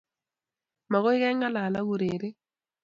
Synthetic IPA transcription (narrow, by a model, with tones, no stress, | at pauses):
ma˨ɣo˦ɪ˦ɣɛ˦ŋa˦la˨la˦ɣu˨ɾe˨ɾe˦